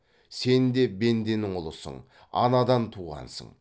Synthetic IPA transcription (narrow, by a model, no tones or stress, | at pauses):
se̞nd̪e̞be̞nd̪e̞nɪŋʊlˠəsə̰ɴ | ɑ̰nɑd̪ɑnt̪ʰuʁɑ̰nsə̰ɴ